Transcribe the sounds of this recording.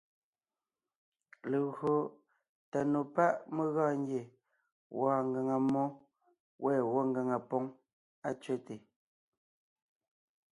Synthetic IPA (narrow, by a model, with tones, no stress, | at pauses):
le˨ɣɰo˨ | ta˨no˨pa˦ʔme˦ɣɔː˦˨ŋ˦ɡje˨ | wɔː˦˨ŋɡe˨ŋa˨mɔ˦ | wʔɛː˦˨wɔ˦ŋ˦ɡə˨ŋa˨pɔ˦ŋ | a˦t͡ʃɥe˦te˨